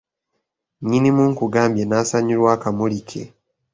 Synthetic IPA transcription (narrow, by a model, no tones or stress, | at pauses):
ɲinimuːŋkuɡaːmbjenaːsaɲulwaːkamulikʰe̞̰